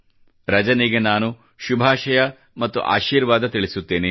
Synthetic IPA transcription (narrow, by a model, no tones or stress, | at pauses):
ɾɐd͡ʒɐniɡe̞naːnu | ʃubʱaːʃɐjɐ | mɐt̪ːṵʔa̰ːʃiːɾʋaːd̪ɐt̪iɭisut̪ːeːne